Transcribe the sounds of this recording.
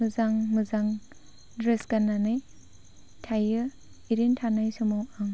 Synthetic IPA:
mɯzaŋmɯzaŋ | dɾesɡananɯj | tʰajɯ | iɾintʰanajsɔmawaŋ

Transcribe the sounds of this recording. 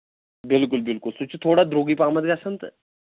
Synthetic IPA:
bɪlkʊlbɪlkʊlsʊt͡ʃt̪ʰoːɽad̪ɾoːɡipaːmət̪ɡasənt̪

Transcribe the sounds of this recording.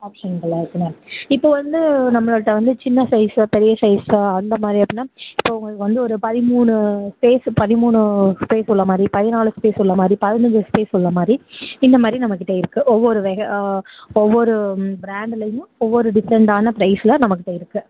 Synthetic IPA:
aːpʂɐnkɐlːɐɾkːɯnɐɪpːoːʋɐnd̪ɯnɐmːɐɭːʈːɐʋɐnd̪ɯt͡ʃɪnːɐsɐɪspɛɾɪjɐsɐɪsɐnd̪ɐmaːd̪ɾiɐpːɽɪnːaːɪpːoːʊŋɡɭkɯʋɐnd̪ɯɔɾɯpɐðɪmuːɳɯspeːspɐðɪmuːɳɯspeːsɔlːɐmaːd̪ɾipɐðɪnaːlɯspeːsɔlːɐmaːd̪ɾipɐðɪnɐd͡ʒɯspeːsɔlːɐmaːd̪ɾiɪnd̪ɐmaːd̪ɾinɐmːɐkːɪʈːɐeɪɾɯkːɯʔɔʋːɔɾɯʋɛɣɐ | ɔʋːɔɾɯbɪɾaːɳɖlɐjʊ̃ɔʋːɔɾɯɖɪsɛɳʈaːnɐpɾɐɪslɐnɐmɐkːɪʈːɐɪɾɯkːɯ

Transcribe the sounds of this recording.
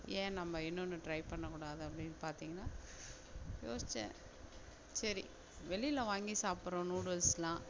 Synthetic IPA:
ẽːnɐmːɐɪnːɔnːɯʈɾɐɪpɐɳːɐkuːɽaːðɯɐpːɐɽɪnːpaːɾt̪iːŋɡɐnːaː | jo̰ːsɪt͡ʃːɛ̰̃ | sɐɾḭ | ʋɛɭɪjɪlɐʋaːŋɡisaːpɯɾõːnuːɽʋɐlslãː

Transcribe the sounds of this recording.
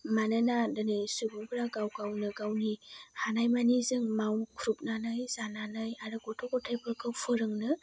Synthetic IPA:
manɯnadɯnɯjsuɡuŋbʰɯɾaɡawɡawnɯɡawnihanajmanizɯŋmawnkʰuɾup̚nanajzananajaɾɯɡɔtʰɔɡɔtʰajbɯkʰɯwpʰɯɾɯŋnɯ

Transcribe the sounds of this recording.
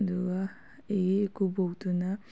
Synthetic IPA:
duɡɐ | eikubowtunɐ

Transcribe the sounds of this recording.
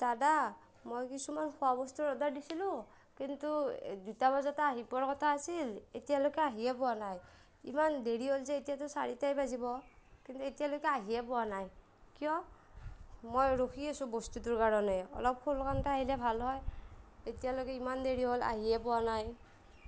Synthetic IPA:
tada | mojkisumanxʰɔabɔstuɹɔdaɹdisilʊ̃ | kintudutabazataːɦipɔaɹkɔtʰaːsiletijalokɛaɦiɛpɔwanaj | ḭmandeɹiɦolzɛetijatɔsaɹitajbazibɔkintuetijalojkɛaɦijɛpɔwanaj | kijɔ | mojɹokʰiasũbostutuɹkaɹɔnɛɔ̰lɔp̚kʰolkantaaɦilɛbʱalɦɔjetijalojkɛimandeɹiɦola̰ɦiɛpʊwanaj

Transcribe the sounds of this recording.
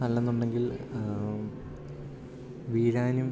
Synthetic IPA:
ɐlːɐenːuɳɖe̞ŋɡil | ʋiːɻaːnum

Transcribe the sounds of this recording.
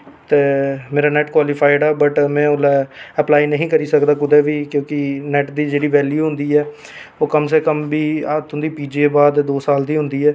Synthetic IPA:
t̪eːmeːɾaːnɛːʈkwaːlɪpʰaːɪɖaːbəʈmɛ̃ːʊlɛːəplaːiːnəɦĩːkəɾiːsəkd̪aːkʊd̪eːʋiːkjõːkɪnɛːʈd̪iːd͡ʒeːɽiːʋɛːljuːɦʊ̃nd̪iːɛː | oːkəms̬eːkəmbiːat̪ʊnd̪iːpiːd͡ʒieːbaːd̪d̪oːsaːld̪iːɦʊ̃nd̪iːɛː

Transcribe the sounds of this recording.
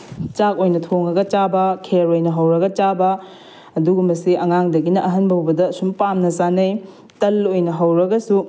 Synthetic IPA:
t͡ʃakojnɐtʰoŋɐɡɐt͡ʃabɐkʰeɾojnɐɦɐwɾɐɡɐt͡ʃabɐ | ɐduɡumɐsiɐŋaŋdɐɡinɐʔɐɦɐnbɐwbɐdɐːsumpamnɐsanɐj | tɐlojnɐɦɐwɾɐɡɐsu

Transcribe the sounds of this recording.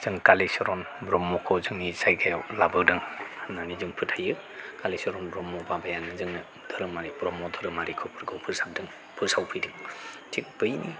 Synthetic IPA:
z̥ɯŋkalesɔɾɔn | bɾɔmɔkʰɔzɯŋnisajɡʰajawlabɯdɯŋnanizɯŋpʰɯt̚ʰhajɯ | kalesɔɾɔnbɾɔmɔbabajanɯzɯŋnɯ | d̥ʰʱɯɾɯmaɾipɾɔmɔdʰʱɯɾɯmaɾikʰɔpʰɯɾɡɯwpʰɯɾsab̚dɯŋ | pʰɯsawpʰɯjdɯŋ | tʰik̚b̥ɯjni

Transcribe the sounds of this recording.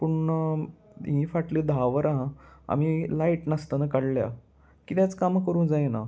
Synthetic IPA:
puɳ | ɦĩfaʈliːd̪ʱaʋəɾaɦãa̰m̤ilaiʈnəst̪ənəkaɽlja̰ | kit̪jat͡skamkəɾuːnd͡zajena

